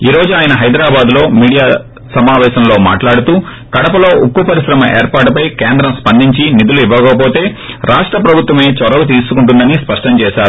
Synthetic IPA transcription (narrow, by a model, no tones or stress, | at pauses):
iːɾo̞ːd͡ʒuaːjɐnɐɦɐjd̪ɾaːbaːd̪lo̞ːmiːɽijaː | sɐmaːʋɛːʃɐmlo̞ːma̰ːʈlaːɽut̪uː | kɐɽɐpɐlo̞ːʔukːupɐɾisɾɐmɐʔḛːɾpaːʈpɐjkeːnd̪ɾɐmspɐnd̪iɲt͡ʃinid̪uluiʋːɐɡɐɐp̬o̞ːt̪e̞ː | ɾaːʂʈɾɐpɾɐbʱut̪ʋɐme̞ːt͡ʃɔɾɐɡut̪̬iːsukuɳʈund̪ɐnispɐʂʈɐmt͡ʃɛːʃaːɾu